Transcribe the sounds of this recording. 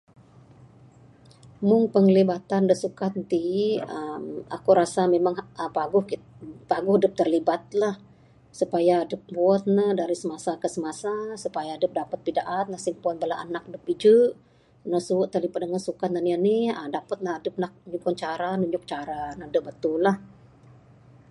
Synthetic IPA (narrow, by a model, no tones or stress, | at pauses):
mʊŋpəŋlibat̪andəhsukat̪̚nt̪iəma̰kuɾasamemaŋəpaɡʊhpaɡʊhdəp̚t̪ərlibat̪̚lah | supajaːdəp̚buɔt̪̚nəhdaɾisəmasakəsəmasasupajadəp̚dapət̪̚pidaʔat̪̚nasiŋpuɔt̪̚bəlaʔa̰nak̚dəp̚id͡ʒəʔ | nəsuʔt̪ərlibat̪̚dəŋansukat̪̚nanianiədapət̪̚naadəp̚nak̚ɲukɔŋt͡ʃaɾanuɲʊk̚t͡ʃaɾanədəp̚bət̪ʊlah